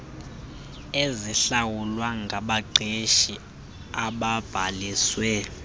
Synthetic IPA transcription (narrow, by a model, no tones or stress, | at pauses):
eziɬawulwaŋɡʱaɓaɡ͡ǀʱeʃi | aɓab̥ʱaliswɛ